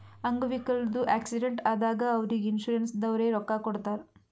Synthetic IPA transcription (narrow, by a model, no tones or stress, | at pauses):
ɐŋɡɐʋikɐɭd̪uʔaːksiɖeɳʈaːd̪aːɡɐːʋɾiɡinʃuːɾensd̪ɐʋɾeːɾɔkːakɔɽt̪aːɾ